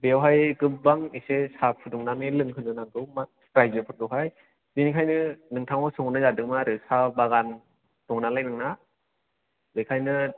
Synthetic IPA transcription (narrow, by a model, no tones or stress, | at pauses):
bewɦajɡɯp̚baŋisesapʰɯduŋnamelɯŋkʰɯnɯnaŋɡɯwma | pɾajzɯpʰɯdɯwɦaj | dinikʰajnɯnɯŋtʰaŋɔsɯŋnɯzadɯŋmaɾɯsabaɣan | d̥ɔŋnalajnɯŋna | bɯjkʰajnɯ